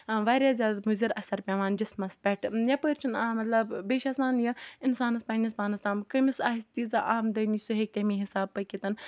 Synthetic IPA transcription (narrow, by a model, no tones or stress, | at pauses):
ʋaːɾʲjaːzʲjaːd̪amuziɾɐsɐɾpʲɛ̃ʋaːnd͡ʒismɐspʲɛʈjɐpəːɾt͡ʃʰunamɐt̪lɐbbeːʃaːsaːnjɐɪnsaːnɐspɐːnispaːnɐsaːmkɐmisaːɦist̪iːzɐʔaːmd̪ɐnisuɦek̚tʲemiɦɪsaːbːɐkʲit̪ɐn